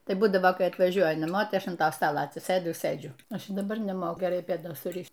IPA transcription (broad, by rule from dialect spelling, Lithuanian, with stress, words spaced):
ˈtɐɪ ˈbuːdɐʋoː ˈkɐɪ ɐtʋɐˈʒʲuɔjɛ nɐˈmoː ˈtɐɪ ˈɐʃ ɐn ˈtɐ ˈstɑːlˠɐ ɐtʲsʲɪˈsɘdʊ ɪ ˈsɘd͡ʒʲʊ ˈɐʃ ɪ dɐˈbɐr nʲɛˈmoːkʊ ɡʲɛˈrɐɪ pʲeːˈdoːs sʊˈrʲɪʃt